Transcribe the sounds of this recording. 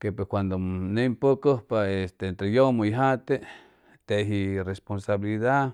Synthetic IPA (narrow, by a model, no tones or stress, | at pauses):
kepweskʷand̪onempokəhpaest̪ent̪ɾejomojɦat̪e | t̪eɦiresponsaβiliða